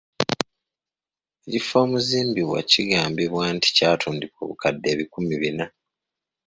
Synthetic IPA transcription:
ecifo̞ːmuziːmbiβwa̰ciɡaːmbiβwaːnti̥caːtʰuːndiko̰ːβṵkadːe̞ːβikumiβina

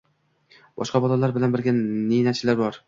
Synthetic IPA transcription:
b̥ɒ̰ʃqɑbɒlˠalaɾbɪlanbɪɾɡʲanenat͡ʃʰɪlaɾbɒɾ

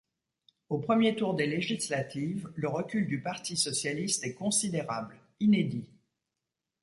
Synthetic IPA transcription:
opχəmjet̪uʁd̪eleʒislat̪ʰivləʁəkʲyld̪ypaʁt̪isɔsjalist̪ɛkɔ̃sid̪eʁabl | ined̪i

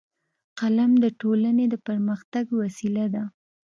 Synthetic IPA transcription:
qalamd̪əʈolaned̪əpəɾməxt̪aɡwasilad̪a

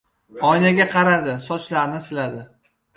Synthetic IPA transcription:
ɒjnaɡʲaqʰɑɾad̪ɪsɒt͡ʃlaɾnɪsɪlad̪ɪ

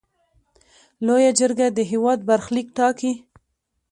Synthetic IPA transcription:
lojad͡ʒəɾɡad̪əɦɪwɑd̪̚baɾxlikʈɑki

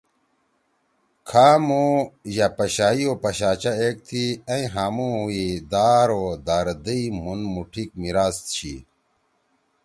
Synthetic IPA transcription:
kʰaːmojapɐɕaːiopɐɕaːt͡ɕaeːk̚t̪ʰiɐ̃ĩɦamuid̪aːɾod̪aɾd̪iimunmuʈʰik̚miɾaːst̪t͡ɕʰḭ

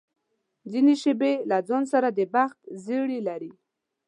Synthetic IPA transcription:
zineʃəbelad͡zonsaɾad̪əbaxt̪zeɽilaɾi

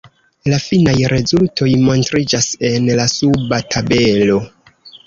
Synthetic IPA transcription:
lafinajɾe̞zultʰo̞jmo̞ntɾid͡ʒase̞nlasubatʰabe̞lo̞

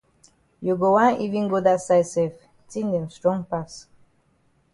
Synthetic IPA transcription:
juɡowãnivĩnɡodasajsɛf | tĩndɛ̃mstɹɔ̃ŋpas

